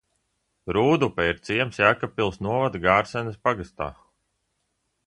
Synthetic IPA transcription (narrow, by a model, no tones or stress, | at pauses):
ɾuːd̪upɛiɾt̪siɛmsjaːkapːilˠsnuɔvad̪ɡaːɾsɛnspaɡast̪a̰ː